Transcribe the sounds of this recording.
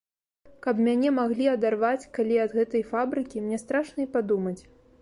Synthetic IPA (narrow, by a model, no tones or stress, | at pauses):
kɐpmʲanʲɛmaɣlʲiɐd̪arvat͡sʲkalʲiɐd̪ɣɛt̪ɐjfabɾɨkʲimnʲɛst̪ɾaʂnɐipad̪umɐt͡sʲ